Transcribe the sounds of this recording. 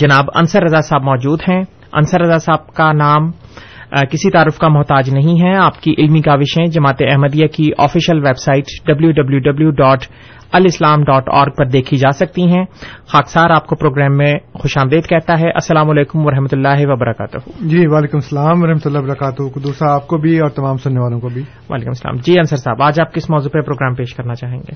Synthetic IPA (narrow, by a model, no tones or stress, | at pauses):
d͡ʒɐnaːbɐ̰nsəɾːɐzasaːbmɔːd͡ʒuːd̪ɦɛ̃ | ɐ̰nsəɾːɐzasaːb̚kanaːm | kɪsit̪aːɾɪfkamʊɦt̪aːd͡ʒnɐɦĩɦɛ̃aːpkiʔɪlmiɡaːʋɪʃɦɛ̃d͡ʒɐmaːt̪eɐɦməd̪ijakiʔɔːfiːʃəlʋeːbsaːɪʈɖɐbljuɖɐbljuɖɐbljuɖɔːʈ | ɐlɪslaːmɖɔːʈɔ̰ːɾɡ̚pɐɾd̪eːkʰid͡ʒaːsɐk̚t̪iɦɛ̃ːxaːksaːɾaːp̚kopɾoːɡɾɛːmːẽxʊʃaːmd̪eːd̪kɛɦt̪aɦɛʔɐsːɐlaːmʊleːkʊmʋɐɾɐɦmət̪ʊlːaːɦeʋɐbɐɾɐkaːt̪ʊɦuːd͡ʒiːʋaːleːkʊmsɐlaːmɐɾɐɦmət̪ʊlːabɐɾɐkaːt̪ʊɦkʊd̪usaaːp̚kobʱiɔːɾt̪ɐmaːmsʊnːeʋaːlõkobʱiː | ʋa̰ːleːkʊmsɐla̰ːmd͡ʒiːɐ̃nsəɾsaːbaːd͡ʒaːp̚kɪsmɔːzupepɾoːɡɾɛːmpeːʃkɐɾnat͡ʃaːɦẽːŋɡeː